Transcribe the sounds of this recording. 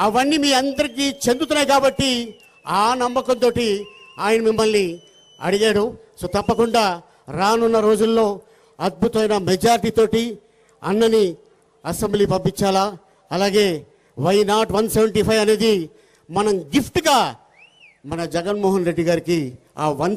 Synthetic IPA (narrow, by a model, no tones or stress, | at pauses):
ɐʋɐnːimiːɐnd̪ɐɾik̬iːt͡ʃe̞nd̪ut̪unːaːjkaːbɐʈːi | aːnɐmːɐkɐnt̪o̞ːʈiaːjɐnɐmimːɐlni | ɐ̰ɽiɡaːɽu | soːt̪ɐpːɐkuɳɖaː | ɾaːnunːɐɾo̞ːd͡ʒulːo̞ː | ɐd̪̚bʱut̪ɐʋɐjnɐmɛd͡ʒaːɾiʈiːt̪o̞ːʈi | ɐ̰nːɐni | ɐsembliːpɐmpːiɲt͡ʃaːlaː | ɐlaːɡe̞ː | ʋɐjnaːʈʋɐnsɛʋɐɳʈipʰɐjʋɐne̞ːd̪i | mɐnɐmɡipʰʈɡaː | mɐnɐd͡ʒɛɡɐnmɔːɦɐnɾe̞ɖːiɡaːɾiki | a̰ːʋɐn